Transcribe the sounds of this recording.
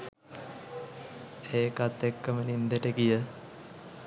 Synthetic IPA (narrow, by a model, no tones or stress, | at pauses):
eːkat̪ːekːəmənind̪eʈəkijə